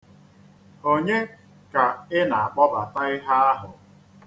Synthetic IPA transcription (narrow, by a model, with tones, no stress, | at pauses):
o˦ɲe˦ | ka˨ɪ˦na˨a˨k͡pɔ˦ba˨ta˦ɪ˦ɦa˦a˦ɦʊ˨